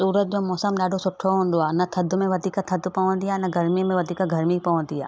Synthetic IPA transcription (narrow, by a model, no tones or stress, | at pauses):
suːɾət̪̚d͡ʒomɔːsəmɗaːɖʱosʊʈʰoɦõːnd̪oaːnɐt̪ʰɐd̪ʱʊmẽʋɐd̪iːkat̪ʰɐd̪pɐõnd̪ijanɐɡɐɾmĩmẽʋɐd̪iːkaɡʱɐɾmipɐʋõnd̪ija̰ː